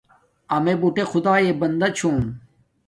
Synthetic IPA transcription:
amebuʈexʊd̪aːeːbɐnd̪ɐt͡ɕʰoːn

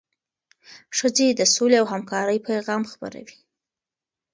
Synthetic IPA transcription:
ʃəzed̪əsoleawɦamkɑɾəjpajɣɑmxpə̰ɾa̰wi̥

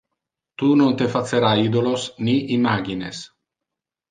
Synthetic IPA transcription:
t̪unont̪efat̪seɾaid̪olosniʔimaɡines

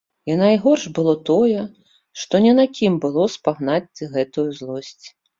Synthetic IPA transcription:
inajɣɔrʂbɨlˠɔt̪ɔjɛ | ʂt̪ɔnʲɛnakʲʰimbɨlˠɔspaɣnat͡s̪ʲːɨɣɛt̪ujuzlˠɔsʲt͡sʲ

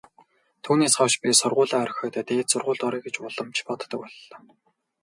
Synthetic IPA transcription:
t̪ʰuːneːsχɔwʃpʲisʊrʁʊːɮaːœɾ̆ʲxʲœːt̪œːt̪eːt̪sʊrʁʊːɮt̪ɔɾiːɡet͡ɕpɔɮə̆mt͡ɕʰpɔt̪ːə̆kɔɮːɔː

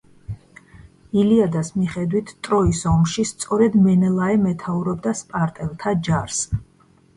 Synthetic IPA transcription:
iliad̪asmiχɛd̪wit̪ʰt̪ʼɾɔisɔmʃist̪sʼɔɾɛd̪mɛnɛlˠaɛmɛt̪ʰauɾɔbd̪aspʼaɾt̪ʼɛlˠt̪ʰad͡ʒaɾs

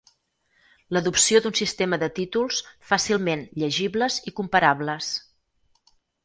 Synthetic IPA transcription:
ləðupsiod̪unsist̪eməðət̪it̪ulˠsfasilˠmenʎəʒiβləzikumpəɾaβləs

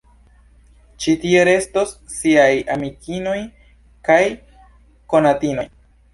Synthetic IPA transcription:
t͡ʃitie̞ɾe̞sto̞sːiajamikʰino̞j | kaj | ko̞natino̞j

